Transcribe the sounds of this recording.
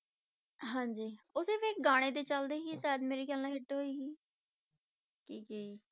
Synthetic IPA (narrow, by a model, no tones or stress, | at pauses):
ɦãːɲd͡ʒiːʊseːʋeːk̚ɡaːɽ̃eːd̪eːt͡ʃəld̪eːɦiːsaːɪd̪meːɾiːkəlnãːɦɪʈɦoːiːɦiː | kiːkəiː